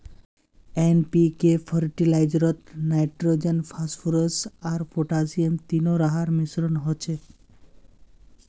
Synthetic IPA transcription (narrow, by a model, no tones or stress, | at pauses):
enpikepʰəɾʈilajd͡ʒɾɔt̪najʈɾod͡ʒenpʰasfʰuɾəsaɾfʰoʈasiemt̪inoɾaɦaɾmisɾɔnɦɔt͡ʃʰe